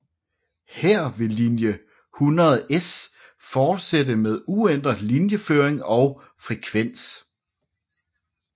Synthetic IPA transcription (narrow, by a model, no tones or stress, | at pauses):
heɐ̰ʋe̝linjə | hunʁɐð̩ˠʔes | fɒːd̥sedəmeðˠuen̰d̥ʁɐlinjəføːɐ̰eŋɒ̽ʊ | fʁɛkʰʋen̰s